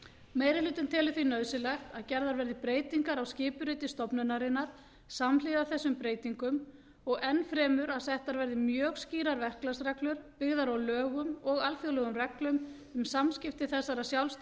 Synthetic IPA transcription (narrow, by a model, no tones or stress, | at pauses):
meːjɾɪlʏːt̪ɪnt̪ʰɛːlʏθvinœðsɪlɛxt̪aðcɛɾðaɾvɛɾðɪpɾeːjt̪iŋkaɾawscɪːpʏɾʏt̪ɪst̪ɔpnʏnaɾɪnːaɾ̥ | saml̥ɪvaθɛsːʏmpɾeːjt̪iŋkʏm | ɔɣɛnfɾɛːmʏɾaðsɛht̪aɾvɛɾðɪmjœːɣsciːɾaɾvɛr̥klasɾɛklʏɾpɪɣðaɾawlœːɣʏmɔɣalfjœlœːɣʏmrɛklʏm | ʏmsamscɪft̪ɪθɛsːaɾasjawlst̪